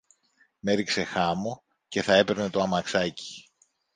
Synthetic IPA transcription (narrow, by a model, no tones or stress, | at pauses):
me̞ɾikse̞xɐmo | ce̞θɐe̞pe̞ɾne̞t̪o̞ɐmɐksɐci̥